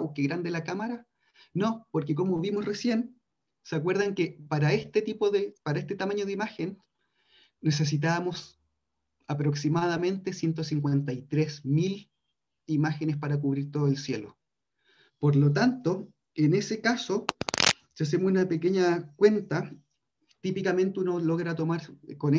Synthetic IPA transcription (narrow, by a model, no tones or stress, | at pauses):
wkeɣɾand̪elakamaɾa | no̞poɾkeko̞moβimosre̞sje̞n | seakwe̞ɾð̞aŋkepaɾaest̪et̪ipoðepaɾaest̪et̪amaɲoð̞eimaxenː | e̞s̬e̞s̬it̪aamo̞s | apɾo̞ksimaðamẽ̞nt̪e̞sje̞nt̪osiŋkwent̪ajt̪ɾesmil | imaxenespaɾakuβɾiɾt̪o̞ðoelsje̞lo̰ | poɾlot̪̬ant̪o | enesekaso | seas̬emosunapekeɲakwe̞nt̪a | t̪ipikame̞nt̪eunolo̞ɣɾat̪o̞maɾkone